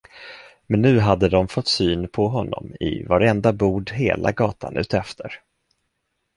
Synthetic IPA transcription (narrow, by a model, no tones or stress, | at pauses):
mɛnːʉ̟ːɦad̪ːəd̪ɔmfɔt̪ːsyːnpʰɔɦɔnːɔ̰mɪ̰vaɾɛnd̪abuːɖɦeːlʔa̰ɡɑːt̪ʰa̰nʉ̟ːt̪ɛft̪ʰəɾ